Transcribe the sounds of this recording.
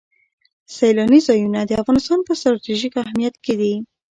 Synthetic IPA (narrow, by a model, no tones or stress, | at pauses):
sajlɑnizɑjunad̪əafɣɑnɪst̪ɑnpəst̪ɾɑt̪iʒikahmijat̪ked̪i